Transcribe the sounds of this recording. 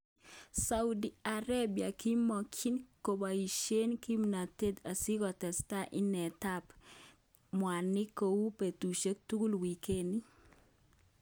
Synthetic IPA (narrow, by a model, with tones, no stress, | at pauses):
sa˨udi˨a˨ɾa˦bja˨ki˦mɔ˨kʰi˦nko˨ba˨i˨ʃe˦nki˦mna˨t̪e˦d̪a˨si˦kɔ˨t̪ɛ˨sta˦ʔɪ˦nɛ˨t̪a˦p | mwa˨nɪ˦ko˨wu˦pe˨t̪u˨ʃe˦k̚t̪u˦ku˦lwi˨ke˦ni˦